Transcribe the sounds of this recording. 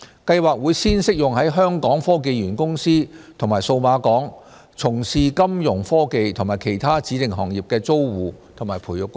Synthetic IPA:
kɐ˧jwaː˨k̚wuː˨˧jsiː˥nsɪ˥k̚jʊ˨ŋhɐ˨˥jɦœː˥ŋkɔː˨˥ŋfɔː˥ke˧jɥyː˨˩nkʊ˥ŋsiː˥t̪ʰŋmaː˨˩jso˧wmaː˨˧kɔː˨˥ŋ | t͡sʰʊ˨˩ŋsiː˨kɐ˥mjʊ˨˩ŋfɔː˥ke˧jt̪ʰʊ˨˩ŋmaː˨˩jkʰe˨˩jt̪ʰaː˥t͡siː˨˥t̪ɪ˨ŋɦɔː˨ŋjiː˨˩p̚kɛː˧t͡so˥wwuː˨t̪ʰʊ˨˩ŋmaː˨˩jpʰuː˨˩jʊ˨kːʊ˥ŋ

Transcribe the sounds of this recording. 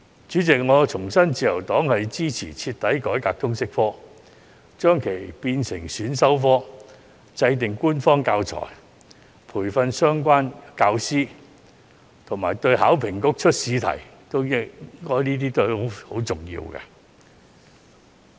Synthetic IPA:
t͡ʃyː˨˥t͡sɪ˨k̚ŋɔː˨˧t͡ʃʰʊ˨˩ŋsɐ˥nt͡siː˨˧jɐ̰˨˩wt̪ɔː˨˥ŋhɐ˨jt͡siː˥t͡sʰḭː˨˩t͡sʰiː˧t̚t̪ːɐ˨˥jkɔː˨˥jkaː˧k̚t̪ʰʊ˥ŋsɪ˥k̚fɔː˥ | t͡ʃœː˥ŋkʰe˨˩jpiː˧nsɪ˨˩ŋsyː˨˥nsɐ˥wfɔː˥ | t͡sɐ˧jt̪̬ɪ˨ŋkuː˥nfɔː˥ŋkaː˧wt͡ʃʰɔ̰ː˨˩j | pʰuː˨˩jfɐ˧nsœː˥ŋk̬ʷaː˥nkaː˧wsiː˥ | t̪ʰʊ˨˩ŋmaː˨˩jt̪ɵ˧ɥhaː˨˥wpʰɪ˨˩ŋkʊ˥k̚t͡ʃʰɵ˥t̚siː˧t̪ʰɐ̰˨˩j | t̪o˥wɪ˥ŋkɔː˥jniː˥t̪̬iː˥t̪o˥˨o˨˦ho˨˥wt͡sʊ˨˩ŋjḭː˧wkɐ̰˧

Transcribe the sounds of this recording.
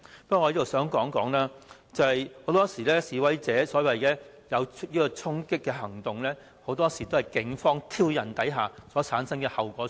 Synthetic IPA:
ppɐ˥kːj̪o˨˩sœː˨˥ŋkɔː˨˥ŋkɔː˨˥ŋlaː˥ | t͡sɐ˨hɐ˨jho˨˧˥wt̪ɔː˥siː˨˩lɛː˥siː˨wɐ˨˥jt͡sɛː˨˥sɔː˨˥wɐ˨˩jkɛː˨˥ | jɐ˨˧wt͡ʃʰt̚jiː˥kɔː˧t͡ʃʰʊ˥ŋkɪ˥kːɛː˧ɦɐ˨˩ŋt̪ʊ˨ŋlɛː˥ | ho˨˥wt̪ɔː˥siː˨˩t̪o˥ɐ˨jkɪ˨˥ŋfɔː˥ŋt̪ʰiː˥wjɐ˨˩nt̪ɐ˨˥jɦaː˨sɔː˨˥t͡sʰaː˨˥nsɐ˥ŋkɛː˧hɐ˨wkʷɔː˨˥

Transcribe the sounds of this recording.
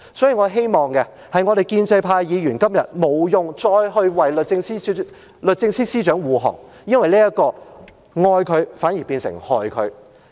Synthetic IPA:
sɔː˨˥ji˨ŋɔː˨˧ɦe˥jmɔː˨ŋkɛ˧ | hɐ˨jŋɔ˨˧ɾe˨jkiː˧nt͡sɐ˧jpʰaː˧jjiː˨˧jyː˨˩nkɐ˥mjɐ˨t̚mo˨˧wjʊ˨ŋt͡ʃɔː˧jɦɵ˧ɥwɐ˨jlɵ˨t̚t͡sɪ˧ŋsi˥ | lɵ˨t̚t͡sɪ˧ŋsiː˥siː˥t͡ʃœː˨˥ŋwuː˨ɦɔ̰ː˨˩ŋjɐ˥nwɐ˨jliː˥jɐ˥t̚kːɔː˧ | ŋɔː˧jkʰɵ˨˧ɥfaː˨˥nji˨˩piː˧nsɪ̰˨˩ŋhɔː˨jkʰɵ˨˧ɥ

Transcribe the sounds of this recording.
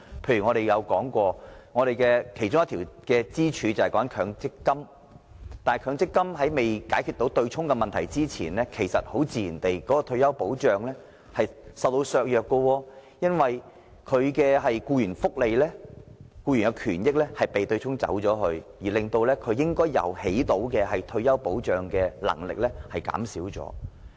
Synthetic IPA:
pʰe˧jɥyː˨˩ŋɔː˨˧ɾe˨jjɐ˨˧wkɔː˨˥ŋkʷɔː˧ŋɔː˨˧ɾe˨jkɛː˧kʰe˨˩jt͡ʃʊ˥ŋɐ˥t̪ʰiː˨˩wkɛː˧t͡siː˥t͡ʃʰyː˨˧t͡sɐ˨˩hɐ˨˩kɔː˨˦˥nkʰœː˨˧ŋt͡sɪ˥kːɐ˥m | t̪aː˨n˨jkʰœː˨˧ŋt͡sɪ˥kːɐ˥mɦɐ˨˥jme˨jkaː˨˥jkʰy˨˧t̪o˨˥wt̪ɵ˧ɥt͡sʰʊ˥ŋkɛ˧mɐ˨nt̪ʰɐ˨˩jt͡siː˥t͡sʰiː˨˩nlɛː˥kʰe˨˩jsɐ̰˨t̚ho˨˥wt͡siː˧jiː˨˩nt̪e˨jkɔː˨˥kɔː˧t̪ʰɵ˧ɥjɐ˥wpo˨˥wt͡ʃœː˨ŋlɛː˥ | hɐ˨jsɐ˨wt̪o˧wsœː˨˧k̚jœː˨kːɔ˧wɔː˧jɐ˥nwɐ˨j | kʰɵ˨˧ɥkɛː˧ɦɐ˨jkuː˧jyː˨˩nfʊ˥k̚le˨˧jlɛː˥kuː˧ɥyː˨˩nkɐ˧wkʰyː˨˩njɪ˥k̚lɛː˥hɐ˨jpe˨jt̪ɵ˧ɥt͡ʃʰʊ˥ŋt͡sɐ̰˨˥wt͡ʃɔː˨˥hɵ˧ɥjiː˨˩lɪ˨˧ŋt̪o˧wlɛː˥kʰɵ˨˧ɥjɪ˥ŋkɔː˥jɐ̰˨˩whe˨˥jt̪o˨˥wkɛː˧hɐ˨jt̪ʰɵ˧ɥjɐ˥wpo˨˥wt͡ʃœː˨ŋkɛː˧lɐ̰˨˩ŋlɪ̰˨k̚lɛ˥hɐ˨˩jka̰ː˨˥msiː˨˥wt͡sɔ̰ː˨˥

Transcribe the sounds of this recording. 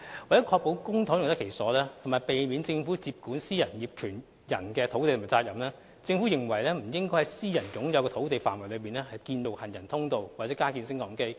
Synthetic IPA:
wa˨˩tːɛː˨˥kʰɔː˧k̚po˨˥wkʊ˥ŋt̪ʰʊ˨˥ŋjt̪ɐ˥kʰe˨˩jsɔː˨˥lɛː˥t̪ʰmaː˨˩jpe˨jmiː˨˧nt͡sɪ˧ŋfuː˨˥t͡siː˧p̚kuː˨˥nsiː˥jɐ˨˩njiː˨p̚kʰyː˨˩n | jɐ˨˩nkɛː˧t̪ʰo˨˥wt̪e˨t̪o˨˩mː˨˩t͡saː˧t̚jɐ˨˩mlɛː˥ | t͡sɪ˧ŋfu˨˥jɪ˨ŋwɐ˨˩jlɛː˥m̩˨˩jɪ˥ŋkɔː˥jhɐ˨˥jsiː˥jɐ˨˩nt͡sʊ˨˥ŋjɐ˨˧wkɔ˧t̪ʰo˨˥wt̪e˨jfaː˨˩nwɐ˨˩jlɵ˨˧ɥpiː˨nɛː˥hɐ˨jkiː˧nlo˨˩hɐ˨njɐ˨˩nt̪ʰʊ˥ŋt̪o˨˧wwaː˨t̚t͡sɛː˨˥kaː˥kiː˧nsɪ˥ŋkɔː˨˥ŋke˥j

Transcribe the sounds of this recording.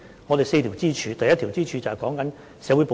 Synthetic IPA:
ŋɔː˨˧ɾe˨jse˧jt̪ʰiː˨˩wt͡siː˥t͡ʃʰyː˧t̪ɐ˨jːɐ˥t̪̚ʰi˨˩wt͡siː˥t͡ʃʰyː˨˧t͡sɐ˨hɛ˨jkɔː˨˥ŋkɐ˨˥n | sɛː˨˥wu˨˧˥po˨˧

